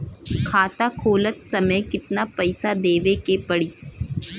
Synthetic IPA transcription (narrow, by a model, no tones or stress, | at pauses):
kʰaːt̪akʰoːlət̪sɐməjkɪt̪napɐɪsad̪eːʋekepɐɽiː